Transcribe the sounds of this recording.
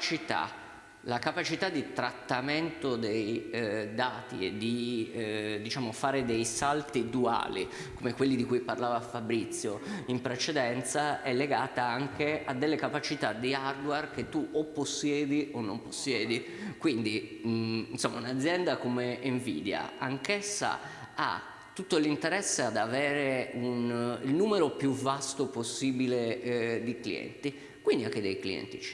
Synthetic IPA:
t͡ʃit̪a̰ | lakapat͡ʃit̪ad̪ːit̪ɾat̪ːament̪od̪ejd̪aːt̪ied̪i | d̪it͡ʃaːmofaːɾed̪ejsalt̪id̪ua̰ːlḭ | komekwelːid̪ikujparlaːvafabɾit̪sːjoimpɾet͡ʃed̪ɛnt̪saɛlːeɡaːt̪aaŋkead̪ːelːekapat͡ʃit̪ad̪iard̪wark̟et̪ːuopːosːjɛːd̪iʔonːo̰mposːjɛːd̪i | kwind̪i | nsomːaunad̪zːjɛnd̪akomeiɱvḭːd̪ja̰aŋkesːa̰ | a̰ | t̪ːut̪ːolint̪eɾɛsːead̪avɛːɾeunilnuːmeɾopjuvːast̪oposːiːbiled̪iklḭɛ̰nt̪i | kwind̪iaŋkːed̪ejkliɛ̰nt̪i̥t͡ʃi

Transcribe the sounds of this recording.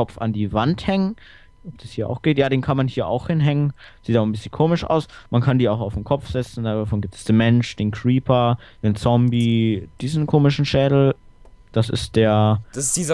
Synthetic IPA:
ɔfa̰ndiːvanthɛŋən | ʔɔp̚d̥ashiːɐʔa̰ʊxɡ̥eːtjaːɾeːnkʰanmanhiːɐʔa̰ʊxhɪnɦɛŋənz̥iːtan̩bɪsçənkʰoːmɪʃʔa̰ʊsmankʰandiːaʊxaʊfdnkʰɔpp͡fz̥ɛt͡sn̩dadafɔnɡiːp̚tɛ̥sd̥eːnmɛnʃd̥eːnkʁ̥iːpʰɐd̥eːnt͡sɔmbid̥iːzn̩kʰoːmɪʃn̩ʃɛːdl̩d̥asɪ̰std̥eːɐd̥assd̥iːzɐ

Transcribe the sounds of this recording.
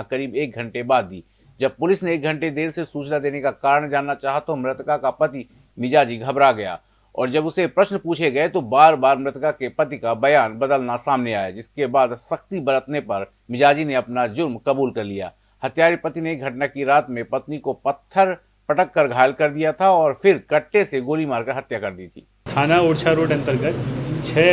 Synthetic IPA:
kɐɾiːbeːk̚ɡʱə̃ɳʈebaːd̪̚ːiː | d͡ʒɐb̚pʊlɪsneːk̚ɡʱə̃ɳʈed̪eːɾsesuːt͡ʃlad̪eːnekakaːɾəɳ̃d͡ʒaːnːat͡ʃaːɦat̪omɾɪt̪kakapɐt̪i | mɪd͡ʒaːd͡ʒiɡʱɐbɾaɡɐja̰ː | ɔ̰ːɾd͡ʒɐbʊsepɾɐʃnpuːt͡ʃʰeɡɐet̪obaːɾbaːɾmɾɪt̪kakepɐt̪ikabɐjaːnbɐd̪əlnasaːmneaːjed͡ʒɪskebaːd̪sɐxt̪ibɐɾət̪nepɐɾ | mɪd͡ʒaːd͡ʒineɐpnad͡ʒʊɾmkɐbuːlkɐɾlija̰ː | hɐt̪jaːɾipət̪ineɡʱɐʈnakiɾaːt̪mẽpɐt̪nikopɐt̪ʰːəɾ | pɐʈəkːɐɾɡʱaːlkɐɾd̪ijat̪ʰaɔːɾfʰɪɾkɐʈːeseɡoːlimaːɾkəɾɦɐt̪jakɐɾd̪it̪ʰḭː | t̪ʰaːnaoːɽt͡ʃʰaɾoːɖɐ̃nt̪əɾɡət̪t͡ʃʰɛː

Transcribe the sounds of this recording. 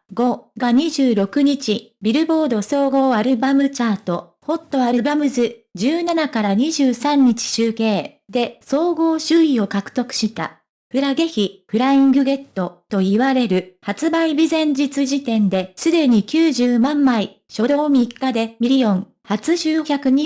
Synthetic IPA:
ɡo̞ɡaɲ̟iʑɨːɾo̞kɯ̟ɲ̟it͡ɕibʲiɾɯ̟bo̞ːd̪o̞so̞ːɡo̞ːaɾɯ̟bamɯ̟t͡ɕaːt̪o̞ | ho̞t̪ːo̞aɾɯbamɯ̟zɨd͡ʑɨːnanakaɾaɲ̟iʑɨːsãɲ̟ːit͡ɕi̥ɕɨːke̞ː | d̪e̞so̞ːɡo̞ːɕɨːio̞kakɯ̟̥t̪o̞kɯ̟̥ɕit̪a̰ | ɸɯ̟ɾaɡe̞çiɸɯ̟ɾaĩŋɡɯ̟ɡe̞t̪ːo̞t̪o̞iβaɾe̞ɾɯ̟hat͡sɨbaibʲizẽ̞ɲ̟d͡ʑit͡sɨʑit̪ẽ̞nd̪e̞sɨd̪e̞ɲ̟ikʲɨːʑɨːmãmːai | ɕo̞d̪o̞ːmʲikːad̪e̞mʲiɾʲiõ̞ŋ | hat͡sɨʑɨːçʲakɯ̟ɲ̟i

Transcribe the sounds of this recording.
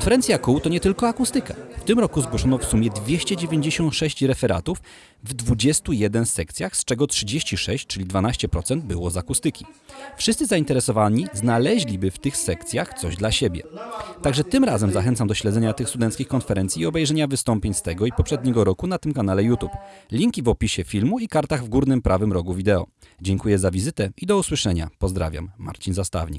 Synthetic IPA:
knfɛɾɛnt̪sʲjakuwt̪ɔɲɛt̪ɘlkɔakust̪ɘka̰ft̪ɘmɾɔkuzɡwɔʂɔnɔfsumʲjɛd̪vʲjeɕt͡ɕɛd͡ʑevʲjeɲd͡ʑeɕɔnt̪ʂɛɕt͡ɕɾɛfɛɾa̰t̪uf | vd̪vud͡ʑɛst̪ujɛd̪ɛnsɛk̚t̪sʲjaxst͡ʂɛɡɔtʂɘd͡ʑeɕt͡ɕiʂɛɕt͡ɕt͡ʂɘlʲid̪vanaɕt͡ɕɛpɾɔt̪sɛnd̪̚bɘwɔzakust̪ɘkʲifʂɨst̪ɘzaint̪ɛɾɛsɔvaɲiznalɛʑlʲibɘft̪ɘxsɛkt̪sʲjaxt̪sɔʑd̪laɕebʲjɛ̰t̪aɡʐɛt̪ɘmɾazɛmzaxɛnt̪samd̪ɔɕlɛd̪zɛɲat̪ɘxst̪ud̪ɛnt̪kʲixkɔnfɛɾɛnt̪sʲiːɔbɛjʐɛɲavɘst̪ɔmpʲjeɲst̪ɛɡɔipɔpʂɛd̪ɲɛɡɔɾɔkunat̪ɘmkanalɛjut̪uplʲiŋkʲivɔpʲiɕɛfʲilmuikaɾt̪aɣvɡuɾnɘmpɾʔavɘmɾɔɡuvʲid̪ɛɔ̰ | d͡ʑɛŋkujɛzavʲizɘt̪ɛid̪ɔuswɘʂɛɲa̰pɔzd̪ɾa̰vʲja̰mːa̰ɾt͡ɕinzast̪a̰vɲḭk

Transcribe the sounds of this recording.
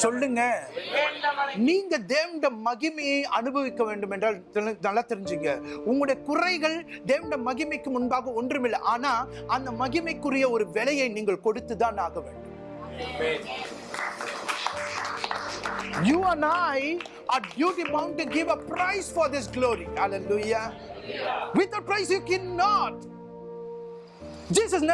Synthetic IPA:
sɔlːɯŋɡɐ | niːŋɡɐd̪eːʋɪɳɖɐmɐɣɪmɐjɐɪʔɐnɯbɐʋɪkːɐʋeːɳɖɯmɛndraːlnɐlːɐt̪ːɪɾɪɲd͡ʒɪŋɡɐʊŋɡɐɭɽɐjɐkʊrɐɪɣɐɭ | d̪eːʋɐɳɖɐmɐɣɪmɐɪkːɯmʊnbaːɣɐɔndrɯmɪlːɐʔaːnaː | ɐnd̪ɐmɐɣɪmɐɪkːɯrɪjɐɔɾɯʋɛɭɐjɐɪniːŋɡɐɭkɔɽɯt̪ːɯðaːnaːɣɐʋḛːɳɖɯm | juːɐ̃naɪ | abjuːʈimaŋʈɐɡɪʋɐpɾɐɪsfɔɾd̪ɪs̬ɡloːɾihɐleluːja | ʋɪt̪̚ːɐpɾɐɪsjuːkɛnːɔʈ | d͡ʒiːsɐs̬n

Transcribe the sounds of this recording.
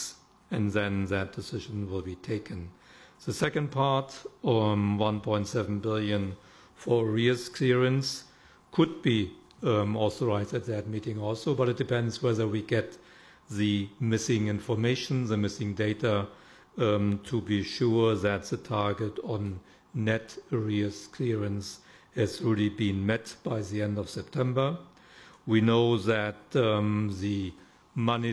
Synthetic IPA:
ɨ̃nðɨ̃nðɨt̚d̥ɨsɪʒ̃n̩wɪlˠbitʰeɪkɨ̃nðɨsɛkɨ̃ndpʰɑɹt | wʌ̃npʰɔ̃ɪ̃ntsɛvn̩bɪlˠjɨ̃n | fə˞ɹiɨskʰɪɹiə̃ns | kʰʊd̚bi | ɔθə˞aɪzdɨt̪̚ðɨt̚miɾɪ̃ŋɔlˠsoʊbʌɾɨt̚d̥ɨpʰɛ̃ndzwɛðə˞wiɡɛt | ðɨmɪsɪ̃ŋɪ̃nfə˞meɪʃn̩ðɨmɪsɪ̃ŋdeɪɾa | tʰubiʃuɹðɨt̚ðɨtʰɑɹɡɨtɔ̃nː | ɛtɹiɨskʰlɪɹɨ̃ns | hɨzɹɛlibĩnmɛtb̥aɪðiɛ̃ndʌv̥sɛp̚tʰɛ̃mbə˞ | winoʊðɨt̚ | ðɨ | mʌni

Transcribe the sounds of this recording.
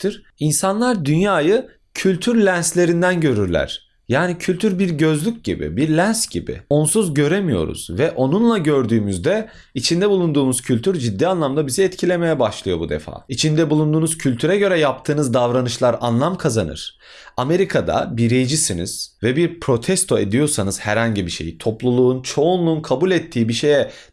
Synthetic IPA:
t̪ʰɯɾ̥ | insanlˠaɾd̪ynjaːjɯ | cʰylʲt̪ʰyɾlʲænslʲe̞ɾind̪ænɟø̞ɾyɾlʲæ̰ɾ̥ | jaːnicʰylʲt̪ʰyɾbiɾɟø̞zlʲyc̚ɟibḭbiɾlʲænsɟibɪ̰o̞nsuzɟø̞ɾemijo̞̰ɾṵz̥vɛʔo̞nunlˠaɟø̞ɾd̪yːmyzd̪ɛ | it͡ʃʰind̪ɛbulˠund̪uːmuz̥cʰylʲt̪ʰyɾd͡ʒid̪ːiːanlˠamd̪abizɛɛt̪cʰilʲe̞mejɛbaʃlˠɯjo̞̰bud̪ḛfa̰ːit͡ʃʰind̪ɛbulˠund̪uːnuz̥cʰylʲt̪ʰyɾɛɟø̞ɾɛjap̚t̪ʰɯːnɯzd̪avɾanɯʃlˠaɾanlˠamkʰazanɯ̰ɾ̥ | ame̞ɾikʰad̪a̰biɾejd͡ʒisinḭz̥vɛbiɾpʰɾo̞t̪ʰɛst̪ʰo̞ed̪ijo̞ɾsanɯz̥hæɾhaɲɟibiʃe̞̰jit̪ʰo̞plˠulˠuːnt͡ʃʰo̞unlˠuːnkʰabulʲɛt̪ʰːiːbiʃe̞jɛ

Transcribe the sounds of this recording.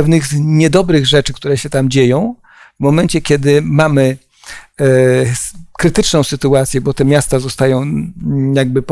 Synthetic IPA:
ɛvnɘxɲɛd̪ɔbɾɘɣʐɛt͡ʂɘkt̪uɾɛɕɛt̪amd͡ʑejɔ̃w̃ | vmɔmɛnt͡ɕɛkʲjɛd̪ɘmamɘ | kɾɘt̪ɘt͡ʂnɔ̃w̃sɘt̪uat̪sʲjɛbɔt̪ɛmʲjast̪azɔst̪ajɔ̃w̃jaɡ̚bɘp

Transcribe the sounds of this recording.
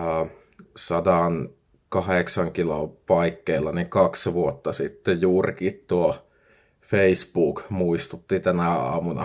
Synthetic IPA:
ɑː | sɑdɑˑn | kɑheksɑŋkilopɑikːeilːˑɑnikɑksʋuot̪ːɑsit̪ːejuːrḭkit̪t̪uo | feispuːkmuist̪ut̪ːit̪ænæɑ̰ːmunɑ̰

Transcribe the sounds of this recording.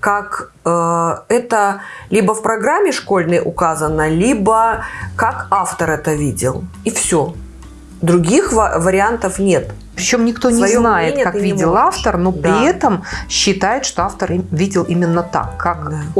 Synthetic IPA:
kakəɛt̪əlʲibəfpɾɐɡɾamʲːɪʂko̞lʲnəjʊkazənːəlʲibəkakaft̪əɾɛt̪əvʲidʲɪ̰lˠ | ifsʲo | d̪ɾʊɡʲixvvəɾʲɪant̪əfnʲet̪ | pɾʲɪt͡ɕo̞mnʲɪkt̪o̞nʲɪznajɪt̪kavʲidʲɪlˠaft̪ərno̞pɾʲɪɛt̪əmɕːɪt̪ajɪt̪ʂt̪o̞aft̪ərvʲidʲɪlˠimʲɪnːət̪a̰kːak

